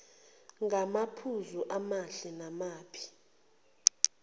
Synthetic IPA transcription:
ŋɡʱamapʰuzuʔamaɬɛnamaːpʰi̥

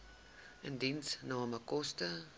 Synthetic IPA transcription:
ʔəndinsnɑːməkɔstə

